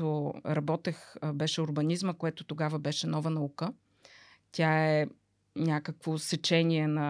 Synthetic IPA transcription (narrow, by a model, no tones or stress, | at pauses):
oɾɐbɔt̪ɛxbɛʃɛʊɾbɐnʲizməkoɛt̪ʊt̪oɡavəbɛʃɛnɔvənɐukə | t̪ʲaɛ | nʲakəkvosɛt͡ʃɛnʲiɛnɐ